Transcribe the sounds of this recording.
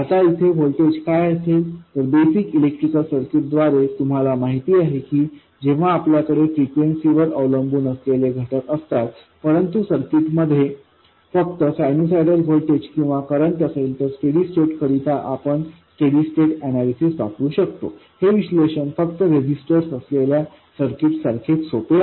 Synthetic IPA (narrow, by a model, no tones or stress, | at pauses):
at̪ait̪ʰeɦolʈed͡ʑkajəselt̪əɾbesikilek̚ʈɾikəlsəɾkiʈ̚d̪ʋaɾet̪um̤alamaɦit̪iːaɦekiː | d͡ʑeʋ̤aːpljakəɽefɾikʋensiʋəɾəʋləmbuːnəsleleɡʱəʈəkəst̪at̪ | pəɾənt̪usəɾkiʈməd̪ʱje | fəkt̪əsajnos̬ajʈəlɦolʈed͡ʑkĩw̃ʋakəɾəɳʈəselt̪əɾsʈeɽisʈeʈkʰəɾit̪aʔapəɳsʈeɽisʈeʈæñalisisbakuːɕəkt̪o̰ | heʋisleɕənfəkt̪əɾed͡ʑisʈəɾsəslelja | səɾkiʈsəɾkʰeʈ̪sop̪e